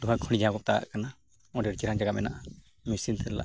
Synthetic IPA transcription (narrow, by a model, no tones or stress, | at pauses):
duɦakʰɔɽid͡ʒakɔp̚t̪aa̰ʔkana | ɔɖɛɾt͡ʃiɾand͡ʒaɡap̚ɛna̰ʔa | misint̪ɛɾla̰ʔ